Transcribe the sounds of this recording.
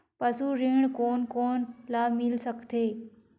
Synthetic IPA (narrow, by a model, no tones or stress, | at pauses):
pɐsuɾiːɳ̃koːnkoːnlaːmɪlsəkt̪eː